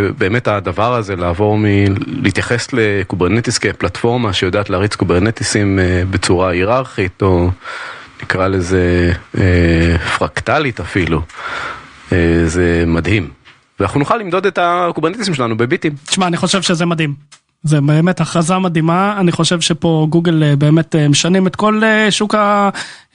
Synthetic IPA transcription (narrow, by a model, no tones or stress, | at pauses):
be̞ːmetad̪avaʁazelaːvo̞ʁmiliit̪jaχeslekubeʁnet̪iskeplatfo̞ʁmaʃejodaːt̪leaʁit͡skubeʁnet̪isimebet͡suʁaiʁaʁχit̪o̞ | nikʁalezeefʁakt̪alitafilu | ezemad̪him | veanaχunuχalːimd̪o̞d̪etakubeʁnet̪is̬imʃelanubebitimt̪i̥ʃmaaniχo̞ʃe̞vʃe̞zemad̪him | zebeːmetaχʁazamad̪imaːniχo̞ʃevʃepo̞ɡuɡelebe̞ːmetemeʃanimet̪ko̞leʃuka